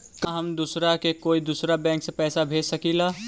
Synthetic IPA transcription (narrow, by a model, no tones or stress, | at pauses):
kaɦəmd̪usɾakekoːid̪uːsɾabɛ̃ːŋksepɛːsabʱeːsəkila